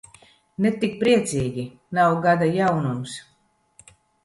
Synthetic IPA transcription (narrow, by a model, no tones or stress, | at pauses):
net̪ik̚pɾiɛt̪sʲiːɡʲi | nawɡad̪ajawnums